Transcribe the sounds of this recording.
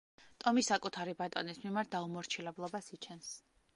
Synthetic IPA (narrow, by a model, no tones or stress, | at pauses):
t̪ʼɔmisakʼut̪ʰaɾibat̪ʼɔnismimaɾt̪̚ʰd̪aumɔɾt͡ʃʰilɛblˠɔbasit͡ʃʰɛns